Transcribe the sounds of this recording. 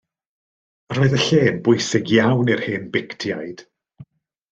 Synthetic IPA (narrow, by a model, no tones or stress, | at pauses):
roɨðəɬeːnbʊjsɪɡjawnirhɪnbɪktʰjajd̥